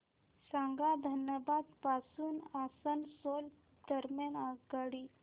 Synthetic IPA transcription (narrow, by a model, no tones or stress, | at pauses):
saŋɡad̪ʱənjəbad̪pasuːnasənsol | d̪əɾmjanaɡaɽi